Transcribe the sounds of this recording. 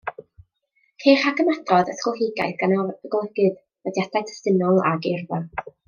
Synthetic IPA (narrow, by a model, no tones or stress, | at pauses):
kʰeːχaɡəmadrɔðəsχəlˠɦɪɡa̰jθɡanɔəɡlˠɛɡɨð | vədjadajtʰə̥stɪnɔlˠa̰ɡɪrða